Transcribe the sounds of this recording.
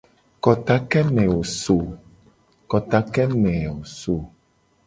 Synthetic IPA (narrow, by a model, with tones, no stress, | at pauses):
kɔ˨t̪a˦kɛ˦mɛ̃˨wo˨so˨ | kɔ˨t̪a˦kɛ˦mɛ̃˨wo˨so˨